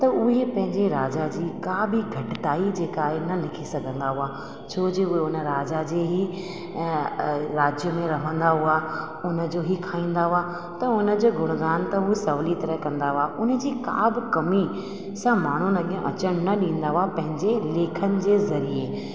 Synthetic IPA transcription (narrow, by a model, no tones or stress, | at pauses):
t̪ɐʊɦepɐ̃ɦɪ̃ɲd͡ʑeɾaːd͡ʑad͡ʑiːkabʱɪɡʱɐʈɪt̪aːid͡ʑeːkaːɦenɐlɪkʰisɐɡʱə̃nd̪aɦʊaː | t͡ɕʰoːd͡ʑeʊɦeʊnə̆ɾaːd͡ʑad͡ʑeɦi | ɾaːd͡ʑjəmẽɾɐɦə̃nd̪aɦʊaː | ʊnə̆d͡ʑoɦikʰaːĩːn̆d̪aɦʊa | t̪ɐʊnə̆d͡ʑoːɡʱʊɾ̤̃ə̃nd̪d̪aːɦnt̪ɐɦusɐʋlit̪ɐɾəɦkɐ̃nd̪aɦʊaːʔʊnə̆d͡ʑiːkaːbʱɪkɐmi | sãmaːɳ̤unɐɠʱij̃ʔɐt͡ɕəɽ̃nɐɗĩːn̆d̪aɦʊapɐ̃ɦɪ̃ɲd͡ʑeleːkʰənɪ̆d͡ʑeːzɐɾie